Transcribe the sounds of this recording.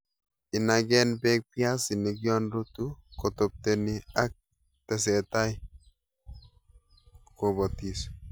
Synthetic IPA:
ɪ˨na˨ɡɛ˦nbɛ˦k̚pjasi˨nik̬jɔ˦ndo˦tu˦ko˨top̚tenia˦k̚ | tɛ˨sɛta˦j | kobɔ˨tis

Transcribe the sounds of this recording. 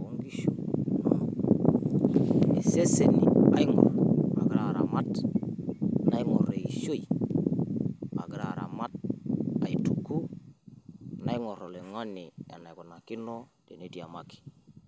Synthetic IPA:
wo˦ŋɡi˦ʃo˨no̰˨no˨ | e˨se˦se˦nḭ˨a̰˨˦ji˦ŋɔ̰˨ɾa̰˨ɡɾa˨ɾa̰˨ma˦t | na˦ji˦ŋo˨ɾe˨i˨ʃo˦i˨ | a̰˨ɡɾa˨ɾa̰˨ma˦t̚a̰˨i˨tu˨ku˦˨ | na˦i˦ŋo˨ɾo˨le˨ŋo˦ni˨ja̰˨na˨jku˨na˨ki˦no˦ | de˨ne˨˦di˨a˨ma˦ki̥˨

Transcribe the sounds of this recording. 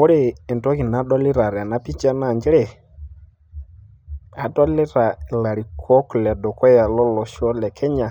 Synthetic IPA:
ɔ˦ɾe˦˨ɛ˨ntɔ˦ki˨na˨˦dɔ˦lɪ˦ɾa˨ɾa˨na˦pi˦t͡ʃa˦na˦˨ɲd͡ʒɛ˦ɾɛ˨ | a˨dɔ˦lɪ˦ɾa˨la˨ɾi˨kʰɔ˦klɛ˨dɔ˨kɔ˦ja˨lɔ˦lɔ˨ʃɔ˦lɛ˨kʰɛ˦ɲa˨

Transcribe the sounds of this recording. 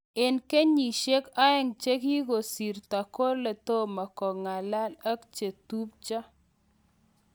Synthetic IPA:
ɪ˨nke˦ɲi˨ʃe˦ka˦ɛ˦ŋt͡ʃe˦ki˦ɡo˨si˨ɾt̪a˨ko˦ɾle˨t̪o˦ma˨kɔ˨ŋa˨la˦la˦kt͡ʃe˨t̪u˦p̚t͡ʃɔ˦

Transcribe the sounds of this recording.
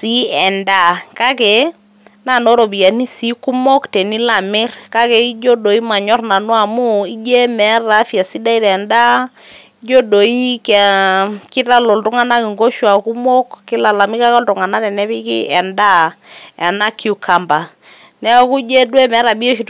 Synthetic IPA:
si˦ɛ˨nda˦˨ka˦kɛ˨ | na˦˨no˦ɾo˨bi˨a˨ni˦si˨˦ku˦mo˦ktɛ˨ni˦la˨mɪ˦rka˦kɛ˨i˦d͡ʒo˦do˨i˦ma˨ɲɔ˦rna˨nu˦a˨mu˦i˦d͡ʒe˦mɛ˨˦ra˨˦fja˨si˦da˦i˦ɾɛ˨nda˦i˦d͡ʒo˦do˨i˦kkɪ˦ta˦lɔ˨ltʊ˦ŋa˦na˦kɪ˨ŋɡo˦ʃwa˨ku˦mo˦kːɪ˦la˨la˨mi˦ka˦kɔ˦ltʊ˨ŋa˨na˦tɛ˨nɛ˦pɪ˦kɪ̰˦ɛ˨nda˦ɛ˨na˦kʰi˦u˨kʰa˨mba˨ | nɛ˦ɔ˦˨ku˦d͡ʒe˦dwɛ˦mɛ˨˦ɾa˨bi˦o˦ʃi˨

